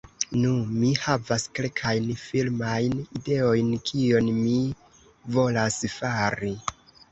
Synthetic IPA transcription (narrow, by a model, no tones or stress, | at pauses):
numihavaske̞lkʰajnfilmajnide̞o̞jnkʰio̞nmi | vo̞lasfaɾi